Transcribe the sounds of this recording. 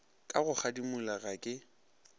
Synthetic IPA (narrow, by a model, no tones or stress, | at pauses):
kʼaɣʊk͡xʰadimʊlaɣakʼɪ